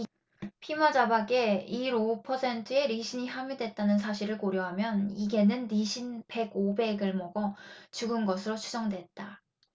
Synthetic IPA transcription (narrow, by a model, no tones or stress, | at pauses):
pʰimad͡ʑabaɡe̞iɾopʰʌsʰe̞ntʰɯe̞ɾiɕʰiɲiɦamjudwe̞t̚t͈anɯnsʰaɕʰiɾɯɭkoɾjʌɦamjʌniɡe̞nɯnːiɕʰinpe̞ɡobe̞ɡɯɭmʌɡʌt͡ɕuɡɯnɡʌsʰɯɾot͡ɕʰud͡ʑʌŋdwe̞t̚t͈a